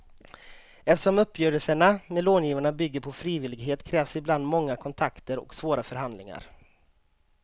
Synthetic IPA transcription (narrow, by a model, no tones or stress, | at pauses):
ɛft̪əʂɔmɵpːjøːɾəlsəɳamɛloːnjiːvaɳabʏɡːəɾpʰɔfɾiːvɪlːɪɡɦeːt̪kʰɾɛːvsɪbland̪mɔŋːakʰɔnt̪ʰakt̪əɾɔ̰ksvoːɾafœɾɦand̪lɪŋa̰ɾ